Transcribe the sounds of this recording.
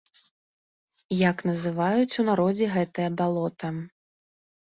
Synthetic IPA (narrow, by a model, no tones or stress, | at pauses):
jaknɐzɨvajut͡sʲunaɾɔd͡zʲɛɣɛt̪ɐjɐbalˠɔt̪ɐ